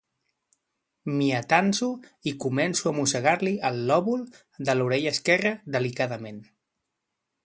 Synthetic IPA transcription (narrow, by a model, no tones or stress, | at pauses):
miət̪anzuikumɛnsuəmusəɣaɾliəlˠːɔβulˠ | d̪əluɾɛʎəːskɛrəd̪əlikaðəmen